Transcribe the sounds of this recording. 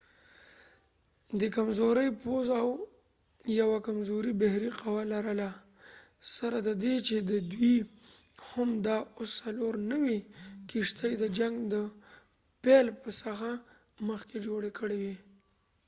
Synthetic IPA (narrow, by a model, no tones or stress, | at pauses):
d̪əkamzoɾəjpozaw | jawakamzoɾibahɾiqawalaɾəla | saɾad̪əd̪et͡ʃed̪əd̪wi | hamd̪ɑosːaloɾnəwikiʂt̪əjd̪əd͡ʒaŋɡd̪ə | pelpəsəxa | məxked͡ʒoɽekəɽewi